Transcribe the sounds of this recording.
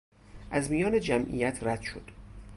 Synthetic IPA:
ʔæzmijɒːned͡ʒæmʔḭjæt̪ʰræd̪̥ʃod̪̥

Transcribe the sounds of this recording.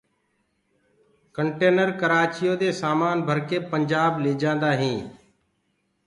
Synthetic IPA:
kəɳʈeːnəɾkəɾaːt͡ʃɪjoːd̪eːsaːmaːnbʱəɾkeːpəɲd͡ʒaːbleːd͡ʒãːnd̪aːɦĩː

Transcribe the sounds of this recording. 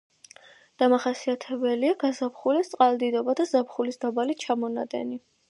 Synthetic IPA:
d̪̥amaχasiat̪ʰɛbɛliaɡ̥azapχulist̪sʼqʼald̪id̪ɔbad̪azapχulisd̪abalit͡ʃʰamɔna̰d̪ɛ̰ni

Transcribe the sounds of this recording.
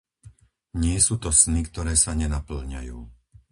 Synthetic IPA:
ɲɪɛsuːt̪ɔsnikt̪ɔɾɛːsaɲɛnapl̩ɲa̰juː

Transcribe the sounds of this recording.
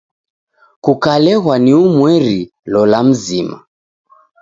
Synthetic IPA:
kukalɛɣwaniumwɛɾi | lɔlam̩zima̰

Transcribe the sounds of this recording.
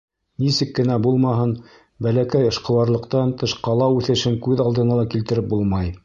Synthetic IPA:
nisɘkːɘ̆næbulˠmɑɦɤn | bælækæjɤ̆ʃqɤ̆wɑɾlˠɤ̆qt̪ɑnt̪ɤʃqɑlˠɑʉθɘ̆ʃɘŋkʉðɑlˠd̪ɤ̆nɑlˠɑkilt̪ɘ̆ɾɘp̚bulˠmɑj

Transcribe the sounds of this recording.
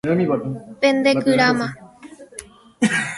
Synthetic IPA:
pend̪ekɨɾamã

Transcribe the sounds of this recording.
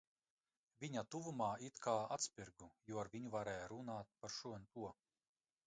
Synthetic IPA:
vʲiɲat̪uvumaːit̪kʰaːat̪spʲiɾɡujuɔaɾvʲiɲuvaɾɛːjaɾunaːt̪̚paɾʃuɔnt̪uɔ

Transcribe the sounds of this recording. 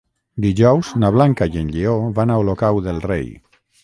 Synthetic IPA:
d̪iʒɔwznaβ̞laŋkajenʎioβanaolokawðelˠrḛj

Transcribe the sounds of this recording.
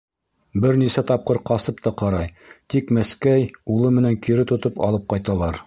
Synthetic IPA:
bɘɾnisæt̪ɒp̚qɤɾqɑsɤpt̪ɑqɑɾɑj | t̪ikmæskæjulˠɤmɘ̆næŋkiɾɘt̪ŏt̪ɤpɑ̰lˠɤp̚qɑjt̪ɑlˠɑɾ

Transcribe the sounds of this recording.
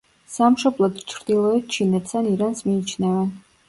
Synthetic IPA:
samʃɔblˠɔd̪t͡ʃʰɾd̪ilˠɔɛt̪̚ʰt͡ʃʰinɛt̪saniɾansmiːt͡ʃʰnɛvɛn

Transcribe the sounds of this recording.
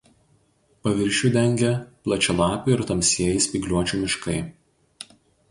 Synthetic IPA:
pɐʋʲɪɾʲʃʲuːˑd̪ʲɛŋʲɡʲɛplˠɐt͡ʃʲɛlˠɑːpʲʊɪɾt̪ɐmʲsʲiɛjɪsʲpʲiɡlʲuɔt͡ʃʲuːmʲɪʃkɐɪ

